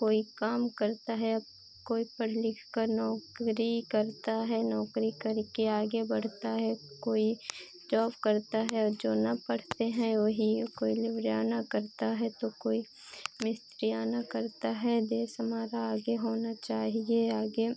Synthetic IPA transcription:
koːikaːmkɐɾt̪aɦɛɐb | koːipɐɽ̤lɪkʰkəɾnɔːkɾikɐɾt̪aɦɛnɔːkɾikɐɾkeaːɡebɐɽ̤t̪aɦɛkoːi | d͡ʒɔːbkɐɾt̪aɦɛɔːɾd͡ʒoːnɐpɐɽ̤t̪eɦɛ̃ʋoɦikoːilɪʋɾjaːnakɐɾt̪aɦɛt̪okoːi | mɪst̪ɾijaːnakɐɾt̪aɦɛd̪eːsɦɐmaːɾaaːɡeɦoːnat͡ʃaːɦieaːɡe

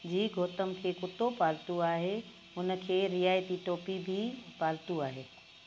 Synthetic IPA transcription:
d͡ʑiːɡʱoːt̪əmkʰeːkʊt̪opaːlt̪uaːɦe | ʊnə̆kʰeːɾijaːjt̪iʈoːpibʱipaːlt̪uaːɦeː

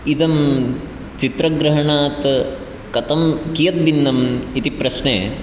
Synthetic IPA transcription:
id̪ɐm | t͡ʃit̪ɾɐɡɾɐɦɐɳaːt̪ | kɐt̪ɐmkijɐt̪̚binːɐmit̪ipɾɐʃneː

